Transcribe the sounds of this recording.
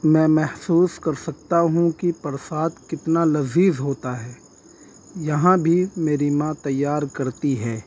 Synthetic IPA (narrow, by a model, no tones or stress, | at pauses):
mɛ̃ːmɛhsuːskɐɾsɐk̚t̪aɦũkipɐɾsaːd̪kɪt̪nalɐziːzɦoːt̪aɦɛː | jɐɦãbʱimeːɾimãt̪ɐjːaːɾkɐɾt̪iɦɛː